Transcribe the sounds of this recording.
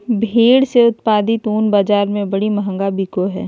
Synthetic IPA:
bʱeːɽseʊt̪paːd̪it̪oːnbaːd͡ʒaːɾmẽbɐɽimɐɦə̃ŋɡabiːkoɦɛː

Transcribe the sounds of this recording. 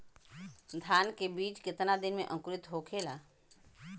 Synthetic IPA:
d̪ʱaːnkebiːt͡ʃkɪt̪nad̪ɪnmḛ̃ʔə̃ŋkʊɾɪt̪ɦoːkʰeːlaː

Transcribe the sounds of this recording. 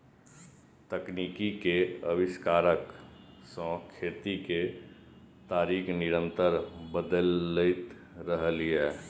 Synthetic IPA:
t̪əknikikeəbɪskaːɾəksɔ̃kʰeːt̪ike | t̪aːɾiːknɪɾə̃nt̪əɾbəd̪əlːəɪt̪ | ɾəɦliɛ

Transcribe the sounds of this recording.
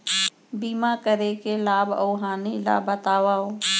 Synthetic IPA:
biːmakəɾekelaːboːɦaːnila̰ːbət̪aːʋaːo

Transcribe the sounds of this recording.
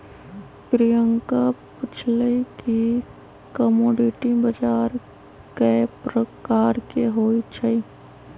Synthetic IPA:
pɾijəŋkapɪt͡ʃʰləiki | kəmoːɖiʈibəd͡ʒaːɾ | kepɾəkaːɾkeɦoːit͡ʃʰəi

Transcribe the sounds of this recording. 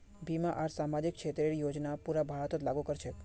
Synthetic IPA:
bʱimãʔaɾsamad͡ʒikʃʰet̪ɾeɾijod͡ʒnapuɾabʱaɭət̪ot̪laɡukəɾt͡ʃʰe

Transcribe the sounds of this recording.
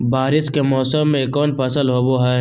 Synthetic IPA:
baːɾɪskemɔːsəmːẽekɔːnpɐsəlɦoboɦɛ

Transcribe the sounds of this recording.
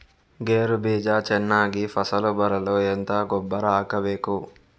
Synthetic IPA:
ɡeːɾubʱiːd͡ʒaːt͡ʃɛnːaːɡipʰɐsɐlubɐɾɐloːent̪aːɡɔbːɐɾaːkɐʋeːku

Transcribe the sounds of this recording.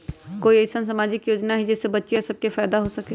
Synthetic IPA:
koːieːsəns̬amaːd͡ʒɪkjoːd͡ʒnaɦid͡ʒɛːsebɐtːʃijasɐb̚kefaːd̪aɦosɐke

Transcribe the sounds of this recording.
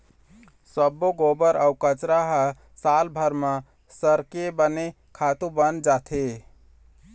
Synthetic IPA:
səbːoɡobəɾəwkət͡ʃɾaɦə | salbʱəɾmə | səɾkebəne | kʰat̪ũbənd͡ʒat̪ʰe

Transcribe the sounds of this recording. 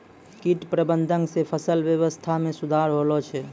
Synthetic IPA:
kiʈpɾəbənd̪ʱəŋsepʰəsəlʋjəʋəst̪ʰamẽsud̪ʱaɾɦolɔt͡ʃʰɛ

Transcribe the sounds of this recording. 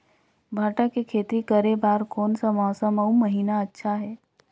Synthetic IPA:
bʱaːʈakekʰeːt̪ɾikəɾebaːɾkɔːnsamɔːsəməumɐɦiːnaɐtːʃʰaɦɛː

